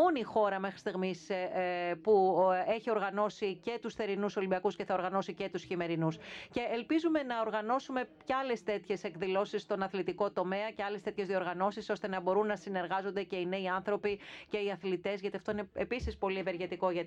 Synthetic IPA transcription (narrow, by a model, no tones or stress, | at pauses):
o̞nixo̞ɾɐmexɾist̪iɣmis | pueçio̞ɾɣɐno̞sice̞t̪usθe̞ɾinuso̞limbiɐkusceθɐo̞ɾɣɐno̞sice̞t̪usçime̞ɾinusce̞ːlpizume̞nɐo̞ɾɣɐno̞sume̞ceɐle̞st̪e̞t̪çe̞se̞kðilo̞sissːt̪o̞nɐθlit̪iko̞t̪o̞me̞ɐceɐlest̪eçe̞zðioɾɣɐno̞siso̞st̪e̞nɐbo̞ɾunːɐsine̞ɾɣɐzo̞nd̪ece̞ineiɐnθɾo̞pice̞iɐθlit̪e̞zʝɐt̪iɐft̪oineepisispo̞lieveɾʝe̞t̪iko̞ʝɐ